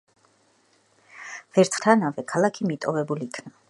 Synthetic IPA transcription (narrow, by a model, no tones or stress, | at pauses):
v̥ɛɾt̪ʰχt̪ʰanavɛkʰalˠakʰimit̪ʼɔvɛbuliːkʰna